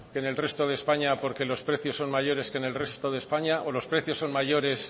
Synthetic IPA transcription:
kene̞lre̞st̪o̞ð̞eːspaɲapo̞ɾke̞lo̞spɾe̞θjo̞sːo̞nmaʝo̞ɾe̞ske̞ne̞lre̞st̪o̞ðe̞spaɲaʔo̞lo̞spɾe̞θjo̞sːo̞nmaʝo̞ɾe̞s

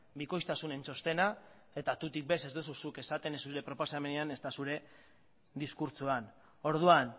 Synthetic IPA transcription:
biko̞jst̪asune̞nt͡so̞st̪e̞na | e̞t̪at̪ut̪ik̚be̞se̞zd̪ususuke̞sat̪e̞nesuɾe̞pɾo̞po̞same̞neane̞st̪asuɾe̞ | ðiskuɾt͡suan | o̞ɾðuan

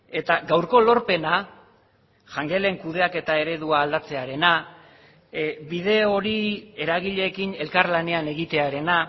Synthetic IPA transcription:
e̞t̪aɡawɾko̞lo̞ɾpe̞na | ʝaŋɡe̞le̞ŋkuðe̞ake̞t̪ae̞ɾe̞ðuaːld̪at͡se̞aɾe̞na | bið̞e̞o̞ɾie̞ɾaɣiʎe̞ːkine̞lkaɾlane̞ane̞ɣit̪e̞aɾe̞na

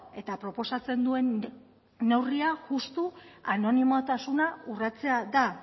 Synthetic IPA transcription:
e̞t̪apɾo̞po̞sat͡se̞nd̪ue̞nː | e̞wriaʝust̪uano̞nimot̪asunaurat͡se̞ad̪a

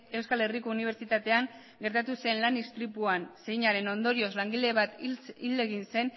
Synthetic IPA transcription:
e̞wskale̞riko̞uniβ̞e̞ɾt͡ʃit̪at̪e̞aŋ | ɡe̞ɾt̪at̪use̞nlanist̪ɾipuanse̞jɲaɾe̞no̞nd̪o̞ɾio̞zlaŋɡileβat̪ile̞ɣinse̞n

